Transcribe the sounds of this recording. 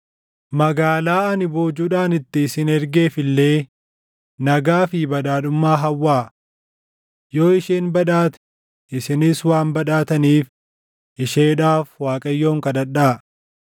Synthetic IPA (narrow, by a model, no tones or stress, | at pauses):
mɐɡaːlaːɐnɪbo̞ːd͡ʒuːᶑaːnɪt̪ːɪːsɪnɛɾɡe̞ːfɪlːe̞ː | nɐɡaːfɪbɐᶑaːᶑʊmːaːɦɐwːaː | jo̞ːɪʃeːnbɐᶑaːt̪ɛ̥ | ʔɪsɪnɪswaːmbɐᶑaːt̪ɐniːf | ʔɪʃeːᶑaːfwaːkʼɐjːo̞ːŋkɐd̪ɐᶑaː